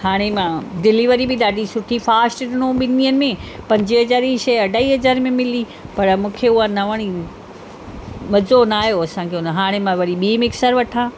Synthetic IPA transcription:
haːɽ̃emãɖɪliʋəɾibɪɗaːɖisʊʈʰifaːsʈɾɪnõɓɪnijənɪ̆mẽpɐ̃ɲd͡ʑiɦɐd͡ʑaːɾiʃɐɐɖʱaːiɦɐzaːɾmẽmɪli | pɐɾmũːkʰeʊɦanɐʋəɽ̃i | ʋɐzonaːɦjoɐsãːkʰeʊnɦaːɽ̃emãʋɐɾiɓiːmɪksəɾʋɐʈʰãː

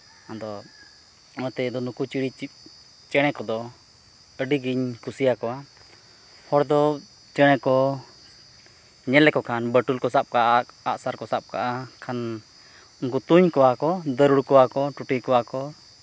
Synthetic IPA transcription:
ɔd̪ɔ | ɔt̪ɛd̪ɔnukut͡ʃiɽii | t͡ʃɛɽ̃ɛkɔd̪ɔ | əɖiɡiɲkusijakɔwa | hɔɽd̪ɔ | t͡ʃɛɽ̃ɛkɔ | ɲɛlɛkɔkʰanbəʈulkɔsap̚kaʔaaʔsaɾkɔsap̚ka̰ʔakʰan | uŋk̬ut̪uɲkɔwakɔd̪əɾuɽkɔwakɔʈuʈikɔwakɔ

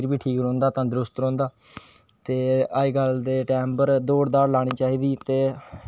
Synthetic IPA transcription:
ɾʋiːʈʰiːkɾõːnd̪aːt̪ãːd̪ɾʊst̪ɾõːnd̪aː | t̪eːaːiːɡəld̪eːʈɛːmbəɾd̪oːɽd̪aːɾlaːɽ̃iːt͡ʃaːiːd̪iːt̪eː

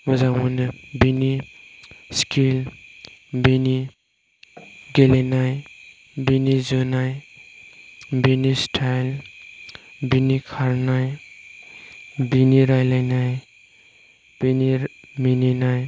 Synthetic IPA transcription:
mɔzamunɯbini | skʰil | bini | ɡelenaj | binizonaj | binistʰajl | binikʰaɾnaj | biniɾajlajnaj | b̥ini | mininaj

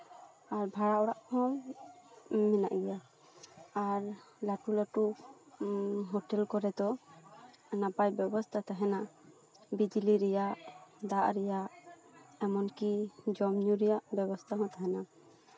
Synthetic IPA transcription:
aɾbʱaɽaɔɽaʔhɔ̃ | mɛna̰ʔɡɛjaː | ɾlaʈulaʈu | ɦɔʈɛlkɔɾɛd̪ɔ | napajbjɔbɔst̪ʰat̪aɦɛna | bid͡ʒiliɾɛjaʔd̪aʔɾɛjaʔ | ɛmɔnkid͡ʒɔmɲuɾɛjaʔbjɛbɔst̪ʰaɦɔ̃t̪ʰaɦɛna

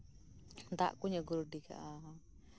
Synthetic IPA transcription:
nt̪a̰ʔkuɲaɡuɾuɖika̰ʔa

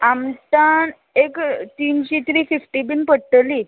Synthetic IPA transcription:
amt̪an | ekt̪inɕet̪ɾiːfifʈibinpəɽʈəliːt̪

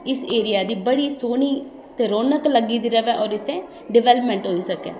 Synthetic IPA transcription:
ɪseːɾɪjaːd̪iːbəɽiːsoːniː | t̪eːɾoːnəkləɡiːd̪iːɾəʋɛːʔɔːɾɪsẽː | ɖɪʋɛːləpmɛ̃ːɳʈɦoːiːsəkɛ̰ː

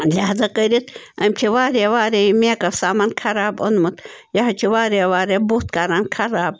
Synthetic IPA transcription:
lʲaːɦd̪ɐqəɾit̪ɐmʲt͡ʃʰiʋaːɾeʋaːɾejimeːkɐfsaːmankʰɐɾaːbonmut̪jɐɦɐt͡ʃʰiʋaːɾeʋaːɾebuht̪kaɾankʰɐɾaːb̚

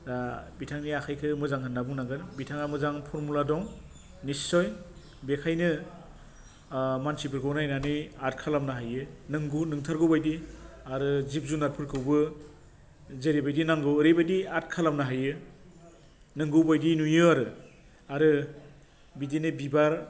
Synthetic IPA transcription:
ɾabitʰaŋniakʰajkʰɯmɯzaŋɦʰɯnːabɯŋnaɡɯnbitʰaŋamɯzaŋpʰɔɾmuladɔŋ | nisɔj | bekʰajnɯ | mansipʰɯɾkɯwnajnaniat̚kʰalamnaɦajɯnɯŋɡɯnɯŋtʰaɾɡɯwbajdi | aɾɯzip̚zunaɾ̚pʰɯɾkʰɯwbɯ | zeɾebajdinaŋɡɯwɯɾebajdiat̚kʰalamnaɦajɯ | nɯŋɡɯwbajdinujɯaɾɯ | aɾɯ | bidinɯbibaɾ

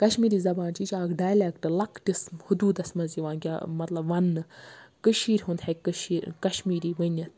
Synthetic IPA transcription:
kɐʃmiːɾiːzɐbaːnt͡ʃit͡ʃʲaːkɖaːjlekʈɨlɐkʰʈismhud̪uːd̪ɐsmɐziʋaːnɡʲamɐt̪lɐbʋɐnːɨkɨʃiːɾʲɦũnd̪hɐkɨʃiːɾkɐʃmiːɾiːʋənʲɐt̪

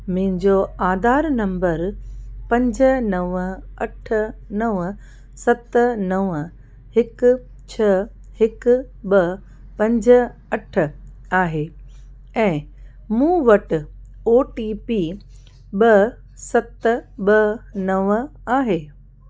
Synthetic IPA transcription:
mʊ̃ɦɪ̃ɲd͡ʑoaːd̪ʱaːɾnɐ̃mbəɾpɐ̃ɲd͡ʑə̆nɐʋɐʈʰə̆nɐʋə | sɐt̪nɐʋ | hɪk | t͡ɕʰɐ | hɪk | ɓɐ | pɐ̃ɲd͡ʑʱə̆ | ɐʈʰə̆ | aːɦe | ɛ̃ː | mũːʋɐʈʊ̆ | oːʈiːpiː | ɓɐ | sɐt̪ɓɐnɐʋaːɦeː

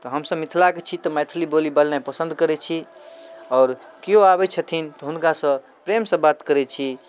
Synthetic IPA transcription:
t̪ɔɦəmsəbmit̪ʰlaket͡ʃʰit̪ɔmɛt̪ʰlibolibalnapəsə̃nd̪ʱkəɾɛt͡ʃʰi | ɔːɾkijoabɛt͡ʃʰət̪ʰint̪ɔɦunkasə̃ | pɾemsə̃bat̪kəɾɛt͡ʃʰi

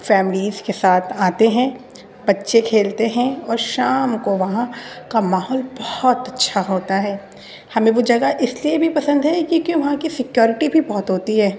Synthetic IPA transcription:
fɛːmɪliːzkesaːt̪ʰaːt̪eɦɛ̃ | bɐtːʃekʰeːlt̪eɦɛ̃ɔːɾʃaːmkoʋɐɦãkamaːɦɔːlbɐhɔt̪ɐtːʃʰaɦoːt̪aɦɛː | hɐmẽʋod͡ʒɐɡaʔɪsliebʱipɐsə̃nd̪ɦɛkikjõʋɐɦãkisɪkjɔːɾɪʈibʱibɔɦt̪ɦoːt̪iɦɛː

